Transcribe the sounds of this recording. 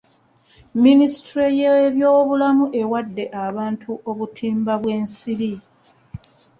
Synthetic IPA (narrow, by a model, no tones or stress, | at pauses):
minisi̥tɾejeβjo̞ːβulamuʔe̞wadːe̞ʔaβaːntʰuʔo̞βutʰiːmbaβwe̞ːnsiɾi